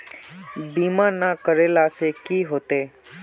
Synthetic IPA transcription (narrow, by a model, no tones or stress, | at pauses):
biːmãnakəɾeːlaːsekiːɦoːt̪eː